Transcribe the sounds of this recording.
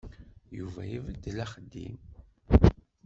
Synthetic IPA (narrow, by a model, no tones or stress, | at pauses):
juvæjivəd̪ːlæχəd̪ːḭm